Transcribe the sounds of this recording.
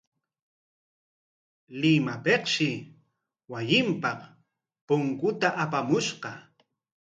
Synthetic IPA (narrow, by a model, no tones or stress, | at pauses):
lɪmapeqʃɪ | wajɪmpɑq | pʊŋkʊt̪aʔapamʊʃqɑ